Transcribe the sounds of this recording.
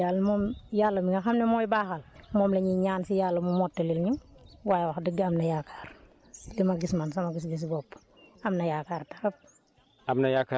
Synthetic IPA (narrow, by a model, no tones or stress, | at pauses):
jalmɔmjalːɐmiŋɐxɐmnɛmɔjbaːxɐlmɔːmlɐɲiɲaːnsijaːlːɐmumɔtːɔlilɲuwajwaxdiɡamnɐjakʰḁːr | dimɐɡismansɐmɐɡis̬ɡis̬ibɔpː | ɐmnɐjakaːɾtɐ̥ɾɐp̚ | amnɐjaka